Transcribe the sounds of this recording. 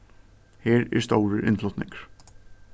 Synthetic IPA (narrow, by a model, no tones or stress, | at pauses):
heːɾɛ̰st̪oːwɾəʔɪ̰nflɔt̪nɪŋkəɾ̥